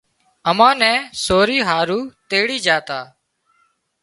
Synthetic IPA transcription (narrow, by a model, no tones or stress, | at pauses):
əmãːnɛ̃ːsoːɾiːɦaːɾuːt̪eːɽiːd͡ʒaːt̪aː